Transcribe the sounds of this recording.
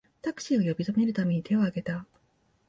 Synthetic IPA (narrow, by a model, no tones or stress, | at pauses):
t̪akɕ͈iɡajʌbisʰʌniɾɯt̪amiɲite̞oɦaɡet̪a